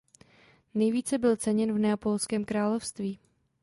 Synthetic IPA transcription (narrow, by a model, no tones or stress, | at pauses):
nɛjviːt͡sɛbɪlt͡sɛɲɛnvnɛapolskɛːmkɾaːlofst̪viː